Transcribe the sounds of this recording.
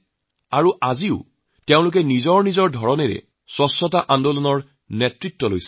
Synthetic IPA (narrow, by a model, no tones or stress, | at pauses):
aɹuʔaziʊ | tɛʊ̃lʊk̬ɛnizɔɹnizɔɹdʱɔɹɔneɹɛ̰ | swɔsɔtaʔandolɔnɔɹ | nɛtɹitːɔlojsɛ̥